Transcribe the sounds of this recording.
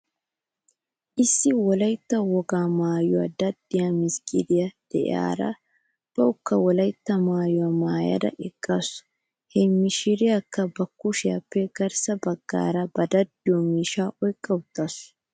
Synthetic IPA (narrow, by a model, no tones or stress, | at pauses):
ʔɪsːɪwɔlɐjt̪ːɐwɔɡaːmaːjʊwɐ̰d̪ɐd̪ːɪjamɪskʼɪd̪ɪjɐd̪̥ɛʔɪ̰a̰ːɾɐ̰ | b̥ɐʔʊkːɐwɔlɐjt̪ːɐmaːjʊwɐmaːjɐ̰d̪ɐ̰ʔɛkʼːɐsʊ̥ | hɛmːɪʃɪɾɪjɐkːɐbɐkːʊʃɪjɐ̰pːɛɡ̥ɐɾsɐbɐɡːa̰ːɾɐbɐd̪ɐd̪ːɪjɔmiːʃaːʔɔjkʼːɐwt̪ːɐsʊ